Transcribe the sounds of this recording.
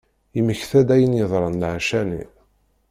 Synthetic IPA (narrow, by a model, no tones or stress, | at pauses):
iməçθæd̪æjənjəðˤɾˤɑnlʕaʃænḭ